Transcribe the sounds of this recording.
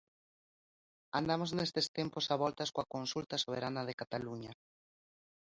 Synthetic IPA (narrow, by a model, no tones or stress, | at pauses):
and̪amoznest̪est̪emposaβɔlt̪askoakonsult̪ɐsoβ̞eɾanað̞ekat̪aluɲa